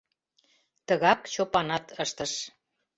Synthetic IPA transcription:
t̪əɣɑkt͡ɕopɑnɑt̪əʃt̪əʃ

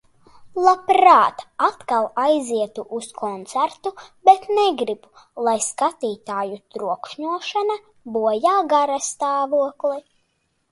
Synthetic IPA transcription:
lˠapɾaːt̪at̪kalˠajziɛt̪uʔuskʰɔnt̪sæɾt̪ubɛt̪nɛɡɾibu | lˠajskat̪iːt̪aːjut̪ɾuɔkʃɲuɔʃana | buɔjaːɡaɾast̪aːvuɔklˠi

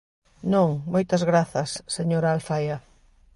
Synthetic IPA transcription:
nõŋmojt̪ɐzɣɾaθɐsːeɲoɾaalfajɐ

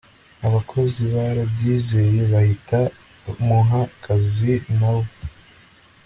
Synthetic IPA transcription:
aβakʰo̞ziβaɾabɟiːzeɾiβahita | muɦakʰazinaβo

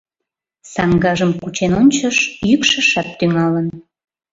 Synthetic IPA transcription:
sɑŋɡɑʒəmkut͡ɕenonʲt͡ɕəʃjykʃəʃɑt̪ːyŋɑlən

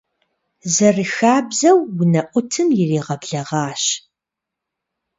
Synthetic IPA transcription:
zɐrɨxaːbzɐwːʊnɐʔʷʊtʰɨmjɪreːʁɐbɮɐʁɑːɕ

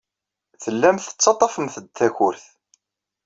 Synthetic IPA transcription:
θəlːæmθə̥t͡sːɑt̪ˤːɑfəmθəd̪θæçʊɾθ

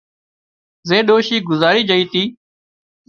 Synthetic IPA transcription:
zeːɗoːʃiːɡʊzaːɾiːd͡ʒəiːt̪iː

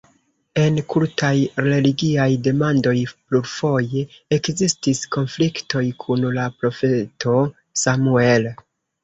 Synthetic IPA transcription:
e̞nkuɾtʰajɾe̞liɡiajde̞mando̞jpluɾfo̞je̞ | ekzistisko̞nflikto̞jkʰunlapɾo̞fe̞to̞ | samue̞l

